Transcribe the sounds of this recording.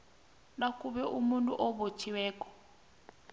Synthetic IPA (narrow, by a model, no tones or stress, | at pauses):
nakʼuβɛʔumuntʼuʔɔβot͡ʃʰiwɛːkʼɔ̥